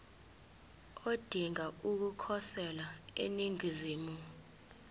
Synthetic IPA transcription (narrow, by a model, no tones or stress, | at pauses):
od̥ʱiŋauk̬ukʰɔsɛlaḛniŋiziːmu